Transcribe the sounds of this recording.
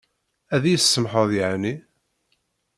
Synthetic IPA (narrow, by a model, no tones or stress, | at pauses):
æðjəsːəmħəðˤjaʕni